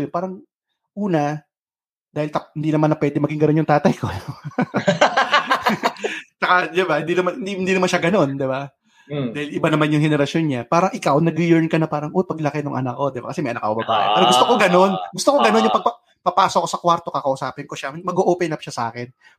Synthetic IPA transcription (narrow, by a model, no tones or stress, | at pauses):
jopaːɾɐŋ | ʔuːnɐ | d̪aːhɪlt̪ɐhɪnd̪inɐmanːɐpwɛːd̪ɛmɐɡɪŋɡɐno̞njʊŋt̪aːt̪ɐjko | t͡ʃɐkad̪ɪbahɪnd̪inɐmanh̪iɪnd̪inɐmanʃaɡɐno̞nd̪ɪba | aːhɪlʔɪbanɐmanjʊŋhɛnɛɾɐsjonɲapaːɾɐŋʔɪkawnɐɡɪjɛɹnkɐnɐpaːɾɐŋʔopɐɡlɐkɛnʊŋʔɐ̰nakːo̞d̪ɪba̰kɐsɛmɐjʔɐnɐkːɐ̰obɐba̰ːʔḛpɛːɾoɡʊst̪okoɡɐno̞nɡʊst̪okoɡɐno̞njʊŋpɐɡ̚pɐ | pɐpaːsokosɐkwaɾt̪o̞kɐkɐʔʊsaːpɪnko̞ʃamɐɡoʔoːpɛnɐp̚ʃasɐʔa̰ːkɛn